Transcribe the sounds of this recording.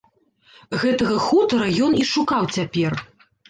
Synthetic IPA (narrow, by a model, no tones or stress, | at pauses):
ɣɛt̪ɐɣɐxut̪ɐɾɐjɔniʂukawt͡sʲapʲɛr